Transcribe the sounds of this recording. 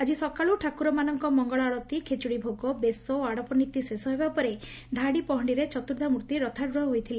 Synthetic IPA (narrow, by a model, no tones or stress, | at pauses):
ad͡ʒisɔkaɭuʈʰakuɾɔmanɔŋkɔmɔŋɡɔɭɔaɽɔt̪ikʰet͡ʃuɽibʱoɡɔbesɔoaɽɔpɔnit̪ːisesɔɦebapɔɾe | d̪ʱaɽipɔɦɔɳɖiɾet͡ʃɔt̪uɾd̪ʱamuɾt̪iɾɔt̪ʰaɾɾɔɦɔɦojt̪ʰilẽ